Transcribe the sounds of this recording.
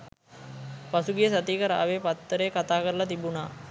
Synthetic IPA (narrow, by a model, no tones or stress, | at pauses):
pasuɡijəs̬at̪iːkəɾaʔaʋeːpat̪ːəɾejːkat̪aːkəɾəlɐt̪ibunaː